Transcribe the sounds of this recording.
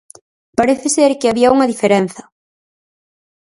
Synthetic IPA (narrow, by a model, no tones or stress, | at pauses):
paɾeθɪseɾkɪaβiɐuŋɐðifeɾen̟θɐ